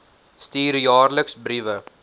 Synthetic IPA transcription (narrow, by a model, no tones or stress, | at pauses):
st̪iːɾjaːɾləksbɾiʋə